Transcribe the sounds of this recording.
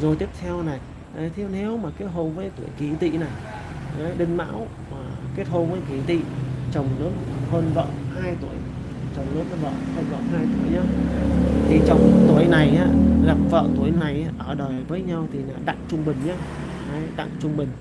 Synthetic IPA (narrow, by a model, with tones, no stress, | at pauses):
zo˨˩jt̪i˦˥əp̚t̪ʰɛ˧wna˨˩j | ʔə˨˦t̪ʰe˨˧˦wnɛ˨˦wmaː˨˩ke˦˥t̚ho˧nvəː˨˦jt̪u˧˩əjki˧˩˦t̪ḭ˧˨na˨˩j | ə˨˦ɗï˧ŋma̰ː˧˥w | maː˨˩ke˦˥t̚ho˧nvəː˨˦jki˧˩t̪ḭ˧˨t͡ɕə˨˩wŋ͡mləː˨˦˥t̚həː˧nvə̰ː˧˨haː˧jt̪u˧˩əj | t͡ɕə˨˩wŋ͡mlə˦˥t̚n˧˦və̰ː˧˨t̪ʰa˧jvə̰ː˧˨ɦaː˧jt̪u˧˩əjɲaː˧ | t̪ʰi˨˩t͡ɕɔ˧wŋ͡mt̪u˨˧˩əjna˨˩jʔaː˨˧˦laː˨˩p̚və̰ː˧˨t̪u˧˩əjna˨˩jʔaː˧˦ʔəː˧˩ɗəː˨˩jvəː˨˦jɲa˧wt̪ʰi˨˩na̰ː˨˩ɗa̰ː˧˨ŋt͡ɕʊ˧ŋ͡mɓï˨˩ŋ̟ɲaː˧ | ʔə˨˦jɗa̰˧˨ŋt͡ɕʊ˧ŋ͡mɓï˨˩ŋ̟